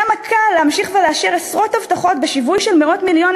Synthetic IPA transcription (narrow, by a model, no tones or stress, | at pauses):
amakʰalːehamʃiχveleaʃiʁesʁo̞thavt̪aχo̞tbeʃivujʃe̞lmeʔo̞tmiljo̞n